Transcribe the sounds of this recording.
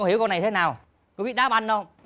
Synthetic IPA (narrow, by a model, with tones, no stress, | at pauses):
ŋ͡mhi˨˦kɔ˧na˨˩t̪ʰe˨˦naː˨˩w | ku˨˧˦vḭ˧˨ɗaː˦˥p̚ʔa˧nɗə˧